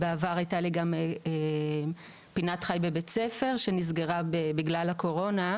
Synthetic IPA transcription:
beavaʁajtaliɡame | pinatχajbebet͡sefe̞ʁʃenizɡe̞ʁabebiɡlalhako̞ʁo̞na

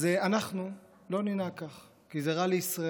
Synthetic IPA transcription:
zeanaχnu | lo̞ninakaχ | kizeʁaleisʁa

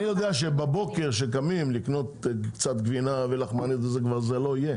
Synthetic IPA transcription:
nijod̪eaʃebabo̞ke̞ʁʃek̬amimlikno̞t̪kt͡sat̪ɡvinavelaχmanit̪ezekvaʁzelo̞ije

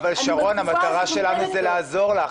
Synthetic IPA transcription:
valʃaʁo̞nhamat̪aʁaʃe̞lanuzɛlaːzo̞ʁla

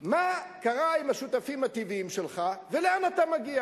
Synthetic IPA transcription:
makaʁaimaʃut̪afimat̪iviimʃelχaveleanat̪amaɡia

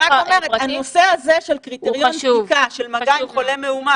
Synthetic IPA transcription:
akomeʁehanosehaze̞ʃelkʁit̪eʁjonivkaʃelmaɡajolemeuma

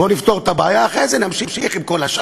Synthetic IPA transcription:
bo̞nift̪o̞ʁt̪abaːjaːχʁezenamʃimʃiχimko̞laʃa

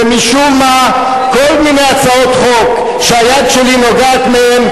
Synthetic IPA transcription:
miʃummːa | kolminejat͡saot̪χok | ʃeajad̪ʃelinoɡat̪mehem

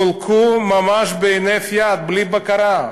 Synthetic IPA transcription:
ʊlkʰumɐmaːʃbenefjat̪̚blibɐkɐɾã

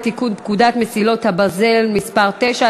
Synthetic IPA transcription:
t̪ikunp̚kud̪at̪mesilo̞t̪habaze̞lmispaʁt̪eʃa

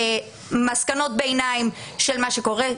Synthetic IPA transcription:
maskano̞t̚beenaimʃelmaʃeko̞ʁe

